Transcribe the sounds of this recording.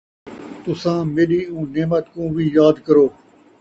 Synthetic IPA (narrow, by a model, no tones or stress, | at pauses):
t̪ʊsãːmeːɗiːũːneːmət̪kũːʋiːjaːd̪kəɾoː